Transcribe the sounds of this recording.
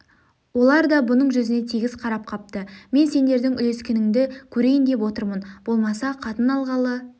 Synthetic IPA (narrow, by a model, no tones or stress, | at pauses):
wo̞lˠɑɾd̪ɑbʊnəɴʒʏzɪnet̪ʰiɡʲɪz̥qʰɑɾɑp̚qʰɑp̚t̪əme̞nse̞nd̪e̞ɾd̪ɪŋʏle̞skʲenɪŋd̪ɪkʲʰɵɾe̞jɪnd̪e̞pwo̞t̪əɾmənb̥o̞lˠmɑsɑqʰɑt̪ənɑlˠʁɑlˠə